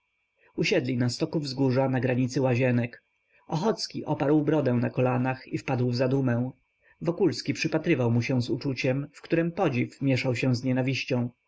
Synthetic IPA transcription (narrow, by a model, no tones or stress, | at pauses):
uɕɛd̪lʲinast̪ɔkuvzɡuʐanaɡɾaɲit̪sɘwaʑɛnɛk | ʔɔxɔt̪skʲiʔɔpaɾwbɾɔd̪ɛ̃w̃nakɔlanaxifpad̪wvzad̪umɛ̃w̃ | vɔkulskʲipʂɘpat̪ɾɘvawmuɕɛ̃w̃zut͡ʂut͡ɕɛmfkt̪uɾɛmpɔd͡ʑifmʲjɛʂawɕɛw̃zɲɛnavʲiɕt͡ɕɔ̃w̃